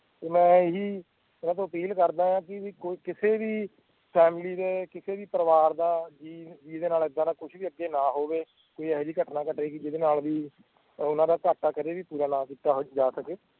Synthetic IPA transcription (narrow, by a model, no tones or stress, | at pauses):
t̪eːmɛ̃ːɪɦiː | ʊnãːt̪õːəpiːlkəɾd̪aːjãːkɪikokɪseːʋiː | pʰɛːmliːd̪eːkɪseːʋiːpəɾəʋaːɾd̪aːd͡ʒiːd͡ʒiːd̪eːnaːlɪd̪ãːnãːkʊʃʰʋiːəɡːeːnãːɦoːʋeː | koːiːɛːɦɾiːkəʈnaːkəʈeːkɪd͡ʒɪd̪eːnaːlʋiː | ʊnãːd̪aːkaʈːaːkəɾeːʋiːpuːɾaːnãːkiːt̪aːɦod͡ʒaːsəkeː